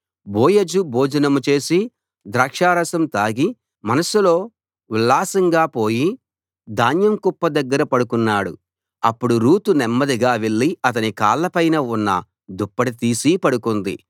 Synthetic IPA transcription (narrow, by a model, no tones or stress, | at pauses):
boːjɐd͡ʒuboːd͡ʒɐnɐmut͡ʃe̞ːsi | d̪ɾaːkʂaːɾɐsɐmt̪aːɡi | mɐnɐsulo̞ː | ʋilːaːsɐŋɡaːpo̞ːji | d̪aːnjɐmkupːɐd̪ɐɡːɐɾɐpɐɽukunːaːɽu | ɐpːuɽuɾuːt̪unɛmːɐd̪iɡaːʋe̞ɭːiɐt̪̬ɐnika̰ːlːɐpɐjnɐunːɐ̰ | d̪upːɐʈit̪iːsipɐɽukund̪ḭ